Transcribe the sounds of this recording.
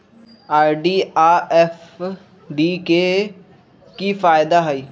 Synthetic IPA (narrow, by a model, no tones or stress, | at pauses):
aːɾɖiːaːʔɛːf | ɖiːkeː | kiːfaːɪd̪aːɦaiː